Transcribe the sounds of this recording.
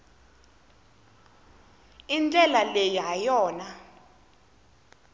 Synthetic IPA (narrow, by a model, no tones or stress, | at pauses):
int͡ɬʼɛlalejiɦajɔːna